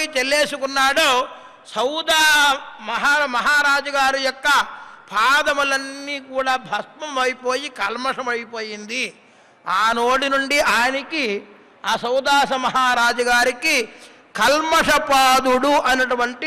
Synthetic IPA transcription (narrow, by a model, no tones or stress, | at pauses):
it͡ʃelːeːsukunːaːɽoː | sɐwd̪aːmɐɦaːɐmɐɦaːɾaːd͡ʒɐɡaːɾijɔkːɐpʰaːd̪ɐmɐlɐnːiːkuːɽaːbʱɐst̪mɐmʋɐjpo̞ːjikɐlmɐʂɐmɐjipo̞ːjind̪i | aːnoːɽinuɳɖiʔaːjɐniki | aːsɐwd̪aːsɐmɐɦaːɾaːd͡ʒɐɡaːɾiki | kɐlmɐʂɐpaːd̪uɽuʔɐnɐʈuʋɐɳʈi